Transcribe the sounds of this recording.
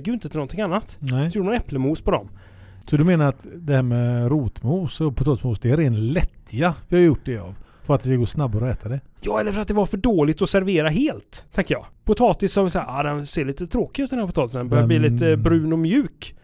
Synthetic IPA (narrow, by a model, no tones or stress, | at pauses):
ɡəjʏɪnt̪ət̪ʰɪlɔnt̪ʰɪŋanːat̪nɛɔjuːɖəmnɛpləmuːspɔd̪ɔ̰m | sɔd̪ɵmeːnaɾat̪d̪ɛhæːɾmɛɾuːt̪muːsɔpʰʊt̪ʰɑːt̪ɪsmuːsd̪ɛæɾeːnt̪lɛt̪ːɪɡavɪhajjʊʈ̚ːd̪ɛa̰v | fœɾat̪d̪ɛskaɡoːsnabːaɾɔɛːt̪ʰad̪ɛjjɑːɛlːəɾfœɾat̪̚d̪ɛvaɾfœɖoːlɪt̪ɔsæɾveːɾaɦeːlt̪ʰːɛŋkəjɑ̰ːpʰʊt̪ʰɑːt̪ɪsːɔhaɾvɪsaaːd̪ɛnseːɭiːt̪ət̪ʰɾoːkɪʉ̟t̪̚d̪ɛnhæːpʊt̪ɑːt̪ɪsənbɛb̪liːliːt̪əbɾʉ̟ːnɔmjʉ̟ːk